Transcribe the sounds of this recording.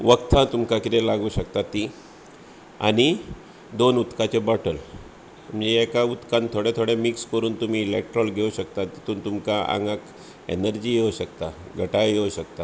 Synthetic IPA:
ʋəkt̪ʰãt̪umkakit̪elaɡuːɕəkt̪at̪ːi | a̰ɽ̃i | d̪onut̪kat͡ɕebɔʈʰəl̤ | əd͡zeːkaut̪kant̪ʰoɽet̪ʰoɽemikskəɾuːnt̪um̤iːlek̚ʈɾɔlɡʱeuɕəkt̪at̪ːit̪uːnt̪umkaʔa̰ŋɡak | ḛnəɾd͡ʑiːjewɕək̚t̪aɡʱəʈajjeɕək̚t̪a

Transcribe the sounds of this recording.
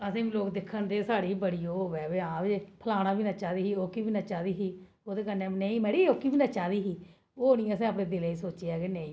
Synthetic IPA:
əsĩːiloːkd̪ɪkʰːənd̪eːsaːɽiːbəɽiːoːoʋɛːʋeːãːeːpʰəlaːɽ̃aːbiːnaːt͡ʃaːd̪iːɦiːoːkibiːnaːt͡ʃaːd̪iːɦiː | oːd̪eːkənːeːnẽːĩːmɛɽiːoːkiːbiːnaːt͡ʃaːd̪iːɦiː | oːoːnĩːɛ̃ːəsɛ̃ːaːp̬ɽẽːd̪ɪleːisoːt͡ʃeːaːɡeːnẽːĩː

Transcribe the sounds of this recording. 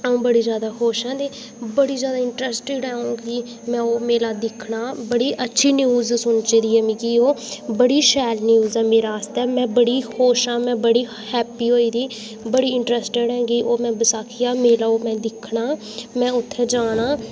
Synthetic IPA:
əũːbəɽiːzjaːd̪aːxoːʃɛ̃ːd̪eː | bəɽiːzjaːd̪aːɪɳʈɾɛːsʈɪɖɦɛ̃ːũːɡiː | mɛ̃ːoːmeːlaːd̪ɪkʰɳaːbəɽiːʔətːʃʰiːnjuːzsʊnt͡ʃeːd̪iːɛːmĩːkioːbəɽiːʃɛːlnjuːzɛːmeːɾaːəst̪ɛːmɛ̃ːbəɽiːxoːʃãːmɛ̃ːbəɽiː | hɛːpiːɦoːiːd̪iː | bəɽiːɪɳʈɾɛːsʈɪɖɛ̃ːɡiːʔoːmɛ̃ːbəsaːkʰiaːmeːlaːoːmɛ̃ːd̪ɪkʰɳaː | mɛ̃ːʊt̪ʰːẽːd͡ʒaːnaː

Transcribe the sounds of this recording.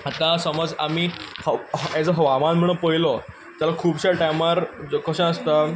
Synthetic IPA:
at̪ãsəməd͡za̰mihɛd͡zəɦəʋamãnm̤əɽ̃ə̃pəjlɔ | t̪jalakʰuːbɕaʈamaɾd͡zokəɕãəst̪a

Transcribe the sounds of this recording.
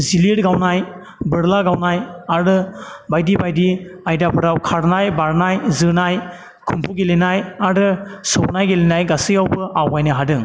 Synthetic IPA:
ziliɾɡawnaj | bɯɾlaɡawnajaɾɯbajdibajdiajdapʰɯɾawkʰaɾnajbaɾnajzɯnaj | kʰumpʰuɡelenajaɾɯsɯwnajɡelenajɡasɯjawbɯʔawajnɯɦadɯŋ

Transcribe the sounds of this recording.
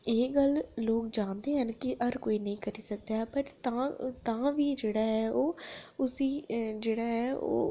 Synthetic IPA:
eːɡəlloːkd͡ʒãːnd̪eːɦənkɪʔəɾkoːiːnəĩːkəɾiːsək̚d̪aːɦpəɾt̪ãːt̪ãːʋiːd͡ʒeːɽaːɦɛːʔoːʊsiːd͡ʒeːɽaːɦɛːʔo̰ː

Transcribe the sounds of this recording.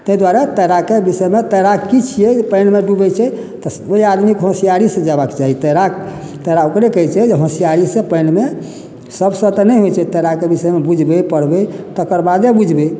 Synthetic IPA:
t̪əɦid̪waɾet̪əɾakebisəjmet̪əɾakit͡ʃʰijepənmeɖubɛt͡ʃʰɛ | t̪ɔoiad̪mikɦõsijaɾisẽd͡ʒabakt͡ʃaɦit̪əɾa | t̪əɾaokɾekəɦt͡ʃʰɛd͡ʒeɦõsijaɾisẽpəjnme | səbsə̃t̪ɔnɛjɦojt͡ʃʰɛt̪əɾakebismebud͡ʒʱbepəɽbet̪əkəɾbad̪ebud͡ʒʱbe

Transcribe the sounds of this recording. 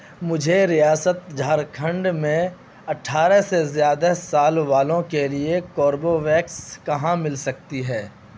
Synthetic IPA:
mʊd͡ʒʱeɾijaːsət̪̚d͡ʒʱaːɾkʰə̃ɳɖmẽ | ɐʈʰːaːɾɛsezjaːd̪asaːlʋaːlõkeliekɔːɾboʋɛːkskɐɦãmɪlsɐk̚t̪iɦɛː

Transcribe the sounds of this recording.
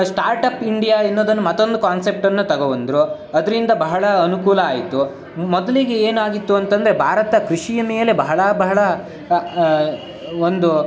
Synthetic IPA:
sʈaːɾʈɐpiɳɖijaːenːoːd̪ɐnːumɐt̪ːo̞nd̪ukaːnse̞p̚ʈɐnːut̪ɐɡɐʋɐnd̪ɾu | ɐd̪ɐɾind̪ɐbɐɦɐɭɐɐnukuːlɐaːjit̪ːu | mɔd̪ɐliɡe̞eːnaːɡit̪ːuɐnt̪ɐnd̪ɐɾebʱaːɾɐt̪ɐkɾiʂijɐmeːjɐlebɐɦɐɭɐbɐɦɐɭɐ | ond̪u

